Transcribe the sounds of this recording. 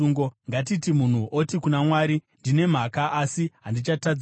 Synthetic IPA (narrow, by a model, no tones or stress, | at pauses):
uːŋɡoŋɡat̬itimun̤uʔotikunamwaːɾindine̞m̤akaʔasiɦandit͡ʃatad͡z